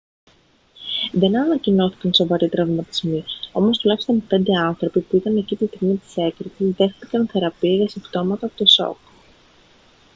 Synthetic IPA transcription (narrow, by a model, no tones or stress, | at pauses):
ðe̞nɐnɐcino̞θi̥kɐnso̞vɐɾit̪ɾɐvmɐt̪izmio̞mo̞st̪ulɐçi̥st̪o̞npe̞nd̪e̞ɐnθɾo̞pipuit̪ɐne̞cit̪ist̪iɣmit̪i̥se̞kɾit̪sizðe̞xθikɐnθe̞ɾɐpiɐʝɐsibt̪o̞mɐt̪ɐːpot̪oso̞̰k